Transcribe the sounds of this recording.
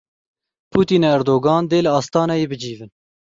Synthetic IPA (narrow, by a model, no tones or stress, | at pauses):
pʰuːt̪iːneæɾd̪oːɡɑːnd̪eːlɨɑːst̪ɑːnɛjeːbɨd͡ʒiːvɨn